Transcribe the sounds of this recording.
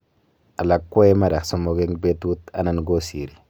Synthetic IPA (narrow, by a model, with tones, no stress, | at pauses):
a˨la˨kwe˦jma˦ɾa˨kso˦mo˨ɡe˦ŋbe˦tu˦t̪a˦na˨nɡo˦sḭ˨ɾi˨